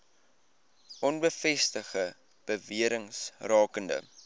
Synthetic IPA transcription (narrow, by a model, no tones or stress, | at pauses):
ʔɔnbəfɛstəχə | b̥əviəɾəŋsrɑːkəndə̰